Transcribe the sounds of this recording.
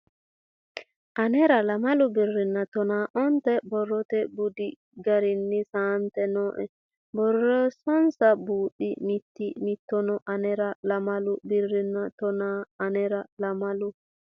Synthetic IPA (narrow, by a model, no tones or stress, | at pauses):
ʔɐnɛɾɐlɐmɐlʊbɪrːɪnːɐt̪ɔnaːʔɔnt̪ɛbɔrːɔt̪ɛbʊd̪ɪ | ɡɐɾɪnːɪsaːnt̪ɛnɔʔɛ | bɔrːɔsɔnsɐbuːɗɪmɪt̪ːɪmɪt̪ːɔnɔʔɐnɛɾɐlɐmɐlʊbɪrːɪnːat̪ɔnaːnɛɾɐlɐmɐlʊ